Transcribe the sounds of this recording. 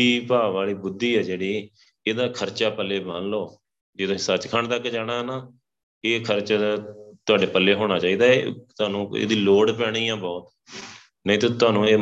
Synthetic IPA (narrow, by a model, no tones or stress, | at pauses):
iːpaːʋaːliːbʊd̪ːiːɛːd͡ʒeːɽiː | eːd̪aːkʰəɾt͡ʃaːpəlːeːbanloː | d͡ʒed̪õːsət͡ʃkʰəɳt̪əkːd͡ʒaːɽ̃aːɛnaː | eːkʰəɾt͡ʃaːd̪aːt̪ʊaːɖeːpəlːeːɦoːɽ̃aːt͡ʃaːiːd̪aːet̪ʊaːnũːḛːd̪iːloːɽpɛːɽ̃iːjãːbɔːt̪̚ | nəĩːt̪õːt̪ʊaːnũːeː